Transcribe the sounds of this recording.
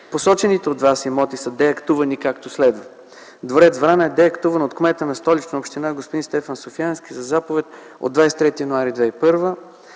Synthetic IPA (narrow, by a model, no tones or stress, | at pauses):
posɔt͡ʃɛnit̪ɛod̪vasimɔt̪isəd̪ɛɐkt̪uvɐnikakt̪oslɛd̪və | d̪voɾɛt̪zvɾanəɛd̪ɛɐkt̪uvɐnot̪kmɛt̪ənɐst̪ɔlit͡ʃ̪opʃt̪inaɡospʊd̪inst̪ɛfənsofiansk̟ʲizɐzapovɛt̪̚ | o̰d̪ːvajsɛ̥t̪ɾɛt̪ijɐnuaɾid̪vɛipɤɾvə